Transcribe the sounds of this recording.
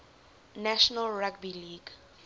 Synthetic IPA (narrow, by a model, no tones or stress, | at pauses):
naʃɔnalɹaɡ̚biliɡ